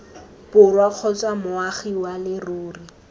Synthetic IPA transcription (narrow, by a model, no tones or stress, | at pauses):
pʊrwaq͡χʰɔt͡sʼwamʊaχiwalɪroːri